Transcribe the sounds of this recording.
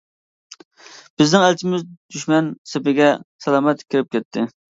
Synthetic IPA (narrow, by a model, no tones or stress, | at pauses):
b̥ɪznɪŋælt͡ʃʰɪmɪzd̪yʃmɛnsɪpɪɡʲɛsɛlˠɑːmɛt̪kʲʰɪɾɪp̚kʲɛt̪ʰːɪ